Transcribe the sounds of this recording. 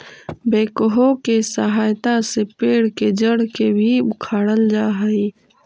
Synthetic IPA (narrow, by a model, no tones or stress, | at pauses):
beːkəɦokesəɦaːjt̪asepeːɽked͡ʒəɽkebʱiʊkʰaːɽəld͡ʒaːɦəiː